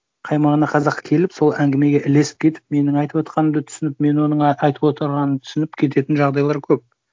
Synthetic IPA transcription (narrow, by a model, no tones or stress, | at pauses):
qʰɑjmɑʁənɑqʰɑzɑqːkʲʰe̞lɪpso̞lˠæŋɡʲeme̞ɡʲe̞ʔɪle̞sɪ̥p̚kʲʰe̞t̪ɪ̥p̚me̞nɪŋɑjt̪əpwo̞t̪qʰɑnəmd̪t̪ʰʏ̥sɪnɪpme̞nwo̞nəɴɑjt̪əwo̞t̪əɾʁɑnənt̪ʰʏ̥sɪnɪpkʲʰe̞t̪e̞t̪ɪnʒɑʁd̪ɑjlˠɑɾkʲʰɵp̚